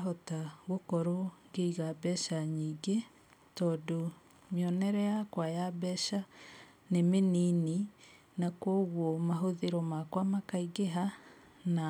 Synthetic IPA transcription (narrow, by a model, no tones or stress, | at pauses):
ɔtaɣokɔɾoŋɡeiɣabɛʃaɲiːɡe | tɔːdo | mjɔnɛɾɛjakwajabɛʃa | nemenini | nakwɔɣwɔmaɦoðeɾɔmakwamakaiɣeɦa | na